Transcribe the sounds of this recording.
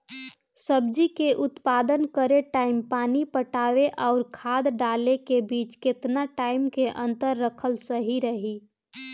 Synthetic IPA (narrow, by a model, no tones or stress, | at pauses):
səbd͡ʒikeʔʊt̪paːd̪ənkəɾeʈaːɪmpaːnipəʈaːʋeʔɔʊɾkʰaːd̪ɖaːlekebiːt͡ʃkɪt̪naʈaːɪmkeʔə̃nt̪əɾːəkʰəlsəɦiɾəɦi